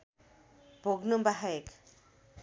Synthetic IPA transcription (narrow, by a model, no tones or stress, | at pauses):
bʱoɡnumbaɦajek